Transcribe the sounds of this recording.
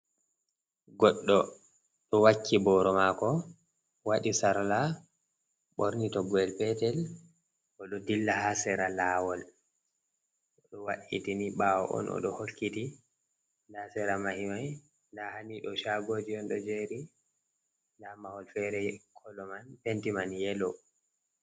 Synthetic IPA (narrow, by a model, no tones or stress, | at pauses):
ɡɔɗːɔ | ɗɔwakʰːibɔɾɔmakɔ | waɗisaɾla | ɓɔɾnitɔɡɔɛlpɛtɛl | ʔɔɗɔdilːahasɛɾalaːwɔl | ʔɔɗɔwaɗḭtiniɓawɔ̰ʔɔ̰nʔɔ̰ɗɔ̰holkːiti | ndasɛɾamahimaj | ndahaniɗɔʃaɡoːd͡ʒiɔnɗɔd͡ʒeɾi | ndamahɔlfɛɾɛkʰɔlɔmanpentimanjɛlɔ